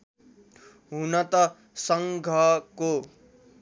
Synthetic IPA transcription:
ɦunʌt̪ʌ | sʌŋɡʱʌko

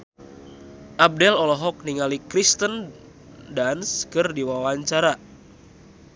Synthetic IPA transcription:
ʔab̚dɛlɔlɔɦɔk̚niŋalikɾist̪ən | danskɨrdiwawaɲt͡ʃaɾa

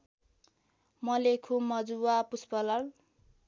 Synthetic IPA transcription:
mʌlekʰumʌd͡zuwapuspʌlʌr

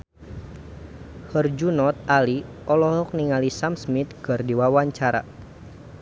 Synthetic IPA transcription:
hərd͡ʒunɔt̪̚ali | ɔlɔɦɔk̚niŋalisamsmit̪̚ɡ̥ərdiwawaɲt͡ʃaɾa̰

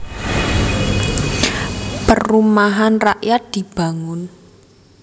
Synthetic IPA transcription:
pərumaɦanraʔjat̪̚d̪̥i̤b̥ä̤ŋʊn

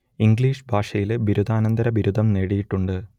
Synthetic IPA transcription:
iŋɡɭiːʂɨbʱaːʂɐjilbiɾud̪ʱaːnɐnd̪ɐɾɐbiɾud̪ʱɐmneːɽijiʈːuɳɖɨ

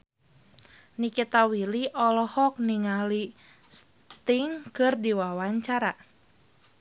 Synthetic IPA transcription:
nikit̪awiliʔɔlɔhɔk̚niŋali | s | t̪iŋkɨrdiwawaɲt͡ʃaɾa

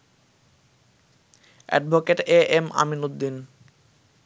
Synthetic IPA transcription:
ɛ̰ɖbʱokeʈeʔema̰minod̪ːin

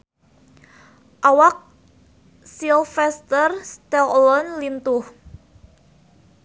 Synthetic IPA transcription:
ʔawak̚ | silfɛst̪ərst̪ɛlɔnlint̪uh

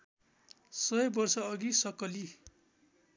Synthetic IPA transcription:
sʌʌbʌrsʌːɡisʌkʌli

